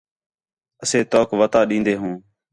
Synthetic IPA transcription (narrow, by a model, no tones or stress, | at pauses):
əseːt̪oːkʋət̪aːɗĩːnd̪eːɦũː